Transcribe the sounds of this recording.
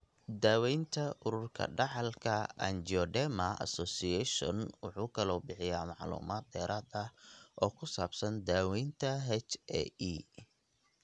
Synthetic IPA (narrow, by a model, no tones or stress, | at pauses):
d̪aːwɛjnt̪ʰɐʔʊɾʊrkʰɐ̰ɖɑħɑlkʰɐɐ̰nd͡ʒɔɖɛmɐɐ̰sɔːsɪɛʃɔ̰nwʊħuːkʰɐlɔːbɪħɪjaːmɑʕlṵːmaːd̪̚ːɛːɾaːd̪ɐʔɔːkʰʊsaːbsɐnd̪aːwɛjnt̪ʰɐɦɛt͡ʃɛ̰iː